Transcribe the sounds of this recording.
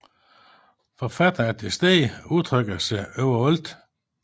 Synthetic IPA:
fɒfæd̥ɐæd̥esd̥eːuðˠt͡sʰʁœɡ̥ɐsəøʊɐɔld̥

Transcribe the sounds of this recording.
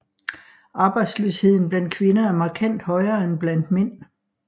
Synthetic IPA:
ɑ̈ːb̥ɑ̈ɪd̥sløshe̝ð̰ˠn̩b̥lænd̥̚kʰʋe̝nɐæɐmɑ̈ːkʰæn̰d̥hɒ̽ɪɐːenb̥læn̰d̥men̰

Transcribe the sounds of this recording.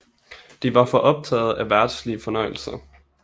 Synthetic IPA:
d̥iʋɑ̈fɒ̽ʔɒ̽b̥̚t͡sʰɛ̰ːð̞̩ˠæʋæɐd̥sliəfɒ̽nɒ̽ɪ̰l̩sɐ

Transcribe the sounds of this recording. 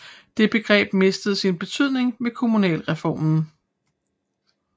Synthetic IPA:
d̥e̝b̥e̝ɡ̥ʁɛ̰ːb̥me̝sd̥əð̩ˠsinb̥e̝t͡sʰyð̞̰ˠne̝ŋme̝kʰo̝munɛ̰ːlʁɛfɒ̰ːmn̩

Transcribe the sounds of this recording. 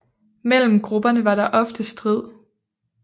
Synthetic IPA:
mel̰m̩ɡ̥ʁub̥ɐnəʋɑ̈ɾ̥ɑ̈ʔɒ̽fd̥əsd̥ʁið̰ˠ

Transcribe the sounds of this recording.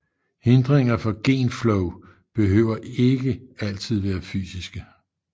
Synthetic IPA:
he̝nd̥ʁeŋɐfɒ̽ɡ̥e̝̰ːnflɔʊ | b̥e̝ɦø̰ːʊ̰ɐʔe̝ɡ̥əæl̰t͡sʰið̞̰ˠʋæːɐfy̰ːsisɡ̥ə

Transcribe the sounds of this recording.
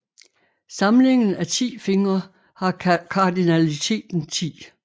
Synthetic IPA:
sɑ̈mle̝ŋn̩æt͡sʰḭːfe̝ŋɐ | hɑ̈kʰɑ̈d̥inælit͡sʰe̝̰ːd̥n̩t͡sʰḭː

